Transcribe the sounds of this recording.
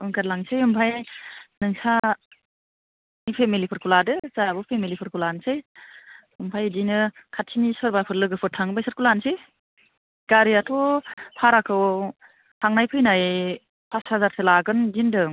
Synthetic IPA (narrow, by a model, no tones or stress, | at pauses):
ɯŋkaɾlaŋsɯjɯmpʰajnɯŋsa | nipʰemilipʰɯɾkʰuladɯzajbɯpʰemilipʰɯɾkʰulansɯj | ɯmpʰajdinɯkʰatʰinisɔɾbapʰɯɾlɯɡɯpʰɯtʰaŋbajsɯɾkulansɯ | ɡ̥aɾiatʰɔpʰaɾakʰɯw | hʰaŋnajpʰɯjnaj | pʰashazaɾsʰɯlaɡɯndindɯŋ